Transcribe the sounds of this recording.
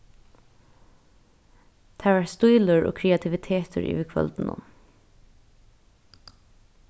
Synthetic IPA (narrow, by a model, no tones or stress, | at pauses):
t̪ʰæːɹʋaɹst̪ujlʊɹʔo̰ːkʰɾɛat̪ʰɪʋɪt̪ʰeːt̪ʰəɹʔḭːʋɪkʰʋœ̰lt̪n̩ʊ̰m